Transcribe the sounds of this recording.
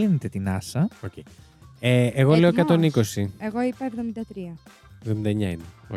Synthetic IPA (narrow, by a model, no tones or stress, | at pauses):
inet̪et̪inɐsɐocej | eeɣo̞le̞okɐt̪o̞niko̞sieɣo̞ipɐevðo̞mind̪ɐt̪ɾiɐ | evðomind̪ɐeɲɐineo